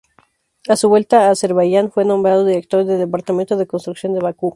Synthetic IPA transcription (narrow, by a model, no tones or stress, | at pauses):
asuβwe̞lt̪aːse̞ɾβaʝanfwe̞nõ̞mbɾað̞o̞ðiɾe̞k̚t̪o̞ɾðeðepaɾt̪ament̪o̞ðe̞ko̞nst̪ɾuksjo̞nd̪eβaku